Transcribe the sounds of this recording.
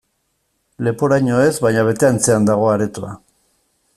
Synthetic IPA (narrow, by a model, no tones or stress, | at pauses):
le̞poɾajɲo̞e̞zβajɲaβ̞e̞t̪e̞ant͡se̞and̪aɣ̞o̞aɾet̪ua̰